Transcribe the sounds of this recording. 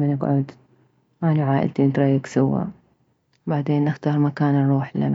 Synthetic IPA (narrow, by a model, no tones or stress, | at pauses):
manɪkʕʊd̪ | ʔanaʕaːʔɪ̰lt̪int̪ɾˤɑjːaksawːa̰ | baʕd̪eːnʔɪxt̪ɑːɾˤmakaːnɾˤuːħla̰n